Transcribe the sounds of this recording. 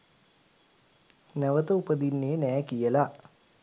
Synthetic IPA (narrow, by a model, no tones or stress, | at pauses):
nəʋət̪əupəd̪inːeːnɛːkijəla